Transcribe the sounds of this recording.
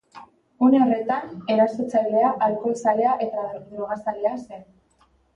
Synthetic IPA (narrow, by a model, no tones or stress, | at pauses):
uneore̞t̪ane̞ɾaso̞t͡sajle̞aʔalko̞sale̞aʔe̞t̪ad̪uɾuɣasale̞ase̞n